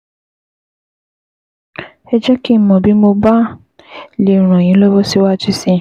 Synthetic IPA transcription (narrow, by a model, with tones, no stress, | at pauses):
ɛ˧d͡ʒɛ˦ki˦mɔ̃˨bi˨˦mo˧ba˦ | le˨ɾ̃ɔ̃˨j̃ĩ˨˦lɔ˦bɔ˦si˦wa˦˨ti˦si˧